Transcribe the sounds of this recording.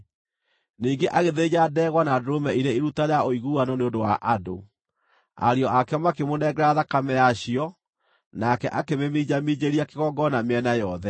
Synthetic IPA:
niːɡeʔaɣeðed͡ʑadɛːɣwanadɾomɛiɾeiɾutaɾeaʔoiɣuanɔneondowaʔado̰ | a̰ɾeɔʔakɛmakemonɛɡɛɾaðakamɛjaɕiɔ | nakɛʔakememid͡ʑamid͡ʑeɾiakeɣɔɡɔnameɛnajɔðɛ

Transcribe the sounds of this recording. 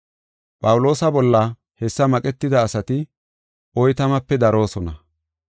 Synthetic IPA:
pʼɐwʊlo̞ːsɐbɔlːɐ | hɛsːɐmɐkʼɛt̪ːɪd̪ɐːsɐt̪ɪ | ɔjt̪ɐmɐpːɛd̪ɐɾo̞ːsɔnɐ

